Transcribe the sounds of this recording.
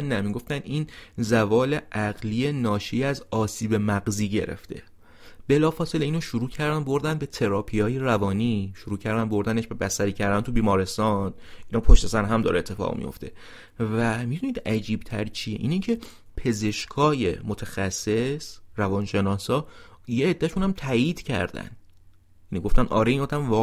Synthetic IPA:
næmiɡoft̪æniːnzævɒːle̞ʔæɢliːenɒːʃiːæzɒːsiːbe̞mæɡziːɟe̞̰ɾḛft̪ʰe̞̰ | b̥e̞lɒːfɒːse̞leiːnoʃuɾuːcʰæɾd̪ænd̪bo̞ɾd̪ænd̪be̞t̪ʰe̞ɾɒːpʰijɒːjeɾævɒːniːʃoɾuːcʰæɾd̪ænbo̞ɾd̪æneʃbe̞bæsæɾiːcʰæɾd̪ænt̪ʰubiːmɒːɾe̞st̪ɒːnʔiːnɒːpʰo̞ʃt̪e̞sæɾɦæmd̪ɒ̰ːɾeːt̪ʰːe̞fɒ̰ɣmḭjo̰ft̪ʰe̞̰ | væmid̪uniːd̪æd͡ʒiːb̥̚t̪ʰæ̰ɾt͡ʃʰijeʔḭːnecʰe̞ | pʰe̞ze̞ʃkʰɒːje̞̰mot̪ʰæxæsːe̞sɾævɒːnʃe̞nɒːsɒː | jeːd̪̥ːæʃunæmt̪ʰæːiːd̪̥cʰæ̰ɾd̪æ̰n | jæniɡo̞ft̪ænd̪ʔɒ̰ːɾeiːnɒːd̪æmvɒː

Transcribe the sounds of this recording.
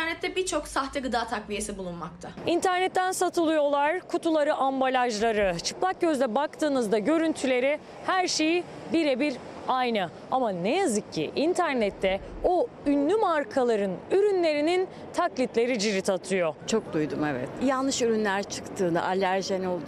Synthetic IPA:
ɾnɛt̪ʰːɛbit͡ʃʰo̞ksaxt̪ʰɛɡɯd̪aːt̪ʰakvʲijesibulˠunmak̚t̪ʰaint̪ʰæɾnɛt̪ʰːænsat̪ʰɯlˠɯjo̞lˠaɾ̥kʰut̪ʰulˠaɾɯʔambalʲaʒlˠaɾɯt͡ʃʰɯ̥klˠak̚ɟøzd̪ɛbak̚t̪ʰɯːnɯzd̪aɟø̞ɾynt̪ʰylʲe̞ɾi | hæɾʃeji | biɾɛbiɾ | ajnɯ | amanejazɯkʰːḭʔint̪ʰæɾnɛt̪ʰːɛo | ynːʲymaɾkʰalˠaɾɯnyɾynlʲe̞ɾinin | t̪ʰaklʲit̪lʲe̞ɾid͡ʒiɾit̪ʰat̪ʰɯjo̞t͡ʃʰo̞k̚d̪ujd̪umevɛ̰t̪jalˠnɯʃyɾynlʲæɾt͡ʃʰɯ̥kt̪ʰɯːna̰ʔalʲːæɾʒenolˠd̪

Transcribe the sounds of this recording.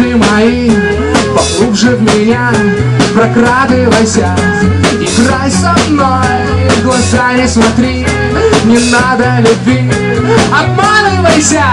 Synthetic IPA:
ɪmɐi | pɐɡˠubʐɨvmʲɪnʲa | pɾɐkɾat̪ɨjvɐjsʲa | ikɾajsɐmnoj | vɡlˠɐzanʲɪsmɐt̪ɾʲi | nʲɪnad̪əlʲʊbʲvʲi | ɐt̪pad̪ɨvɐjsʲa

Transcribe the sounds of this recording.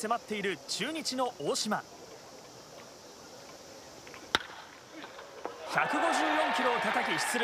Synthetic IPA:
se̞mat̪ːe̞iɾɯ̟t͡ɕɨːɲ̟it͡ɕino̞ʔoːɕima | çakɯ̟ɡo̞ʑɨːjõ̞ŋkʲiɾo̞ːt̪at̪akʲiɕi̥t͡sɨɾ

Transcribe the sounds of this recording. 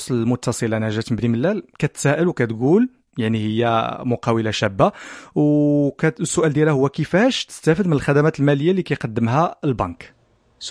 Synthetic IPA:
sˤllmʊt̪ːɑsˤəlanæʒæt̪mbniməlːælkæt̪sæʔəlwkæt̪ɡul | jaʕnihəjːæmʊqɑwəlaʃæbːawkæsːʊʔæld̪jælæhʊwːækəfæʃt̪ə̥st̪æfəd̪mənəlxæd̪æmæt̪əlmæləjːalikæjqɑd̪ːəmɦælbɑnk

